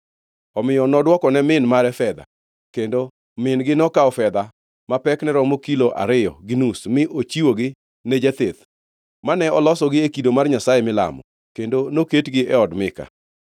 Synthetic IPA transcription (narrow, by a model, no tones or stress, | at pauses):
ɔmɪjɔnɔdwɔkɔnɛmɪnmaɾɛfɛd̪a̰ | kendo | mɪnɡɪnɔkaɔfɛd̪a | mapɛknɛɾɔmokiloʔa̰ɾɪjɔ̰ɡɪnusmɪʔot͡ʃiwoɡɪ | nɛd͡ʒɛt̪et̪ | manɛɔlɔsɔɡɪekidomarɲasajɛmɪla̰mɔ̰ | kendonoketɡɪʔɛɔdmɪka̰